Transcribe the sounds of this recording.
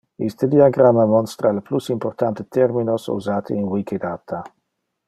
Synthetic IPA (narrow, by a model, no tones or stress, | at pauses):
ist̪əd̪iaɡɾamamɔnst̪ɾaleplusimport̪ant̪et̪ɛɾminosṵzaːt̪ʰḛinwikʰed̪aːt̪ʰa